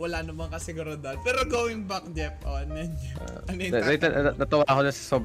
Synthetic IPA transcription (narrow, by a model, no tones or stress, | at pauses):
wɐlaːnɐbɐŋkɐsɪɡʊɾad̪ɐd̪̚pɛːɾoɡoːwɪŋbak̚d͡ʒɛpʔo̰ʔɐnjɐnd͡ʒɛ̰ | ɐnɐt̪ɐnɐt̪ɐwakonɐsɐ̥sob